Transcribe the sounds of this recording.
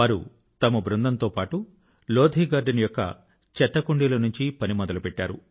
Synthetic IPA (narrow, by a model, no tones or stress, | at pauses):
aːɾṵ | t̪ɐmɐbɾund̪ɐnt̪oːpaːʈu | loːd̪ʱiːɡaːɾɖɐnjɔkːɐ̰ | t͡ʃɛt̪ːɐkuɳɖiːlɐnuɲt͡ʃipɐnimɔd̪ɐlɐpɛʈːaːɾṵ